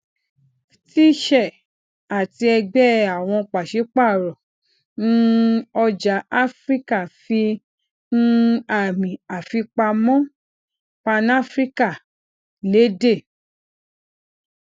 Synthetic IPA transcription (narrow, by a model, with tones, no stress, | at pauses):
ti˦ʃɛ˦˨ | a˨ti˧ɛ˧ɡ͡bɛ˦a˨w̃ɔ̃˧k͡pa˨ʃe˨˦k͡pa˦˨ɾɔ˨ | nũ˦ɔ˧d͡ʒa˨˦a˦fɾi˦ka˦˨fi˧ | nũ˦a˨mĩ˨a˨fi˧k͡pa˧mɔ̃˦ | k͡pa˧na˦fɾi˦ka˦˨ | le˨˦de˦˨